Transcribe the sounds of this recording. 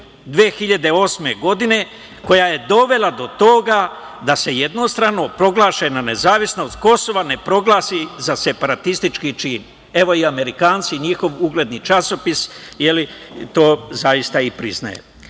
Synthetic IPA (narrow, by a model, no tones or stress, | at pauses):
d̪ʋeexiʎad̪e̞o̞ːsme̞ɡo̞d̪ine̞ | ko̞jaje̞d̪o̞ʋe̞lad̪o̞t̪o̞ɡa | d̪ase̞je̞d̪no̞st̪ɾano̞pɾo̞ɡlaːʃenane̞zaːʋisno̞st̪ko̞so̞ʋane̞pɾo̞ɡlaːsizase̞paɾat̪ist̪it͡ʃkit͡ʃiːn | e̞ʋo̞iame̞ɾikaːnt̪siɲixo̞ʋuɡle̞d̪nit͡ʃaso̞pisje̞lit̪o̞ːzaist̪aipɾḭzna̰jḛ